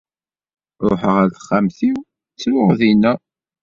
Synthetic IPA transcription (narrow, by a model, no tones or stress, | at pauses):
ɾˤʊħəʁæɾθχːæmθiw | t͡sːlʊʁðinæ